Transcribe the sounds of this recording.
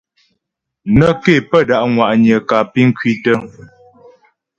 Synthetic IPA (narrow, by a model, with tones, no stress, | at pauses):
nə˦ke˦˨pə˦da˦˨ʔŋwa˨ʔɲə˨ka˨pi˦ŋ̩˦kɥi˦tə˦